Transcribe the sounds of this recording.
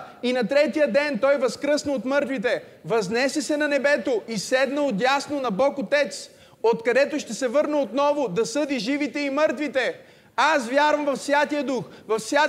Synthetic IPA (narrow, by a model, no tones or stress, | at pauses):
inɐt̪ɾɛt̪ijəd̪ɛnt̪ɔjvɐskɾɤsnəot̪mɤɾt̪vit̪ɛ | vɐznɛsɛsɛnɐnɛbɛt̪oisɛd̪nəot̪̬jasnonɐbɔkot̪ɛt̪s | ot̪kɐd̪ɛt̪oʃt̪ɛsɛvɤɾnəot̪nɔvod̪ɐsɤd̪iʒivit̪ɛimɤɾt̪vit̪ɛ | asvʲjaɾvɐmvɐfsʲjat̪ijəd̪uxvɐfsjʲa